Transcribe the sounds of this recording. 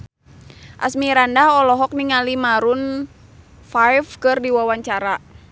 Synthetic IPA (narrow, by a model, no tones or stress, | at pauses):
ʔa̰smiɾandaɦɔlɔɦɔk̚niŋalimaɾun | fajfkɨrdiwawaɲt͡ʃaɾa